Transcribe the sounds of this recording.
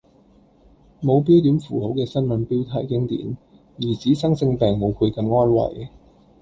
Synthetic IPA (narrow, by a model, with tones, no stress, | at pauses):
mo˨˧wp̬i˥wt̪̬yː˨˥nfuː˨˩ho˨˥wkɛː˧sɐ˥nmɐ˨˥npiː˥wt̪ʰaː˧˩jkɪ˥ŋt̪ḭː˨˥n | jiː˨˩t͡siː˨˥sɐ˥ŋt͡sɪ˧ŋpɛː˨ŋmo˨˧wkʰu˨˧kɐ˨˥mŋɔː˥nwɐ̰˨˩j